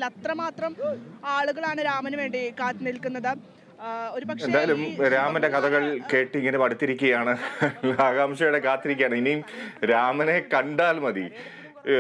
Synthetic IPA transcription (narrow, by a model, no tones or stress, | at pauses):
lɐt̪rɐmaːt̪rɐmaːɭuɣɐɭaːɳɨɾaːmɐnuʋe̞ːɳɖikaːt̪ːɨnilkːunːɐðɨ | oɾupɐkʂendaːjɐlumɾaːmɐnde̞kɐd̪ɐɣɐɭke̞ːʈːiiŋːɐnemɐɽut̪ːiɾikʲːuɣɐjaːɳɨlaːɡaːmɕɐjuɽe̞kaːt̪ːiɾikʲːaːɳɨinijmɾaːmɐne̞kɐɳɖaːlmɐd̪ḭ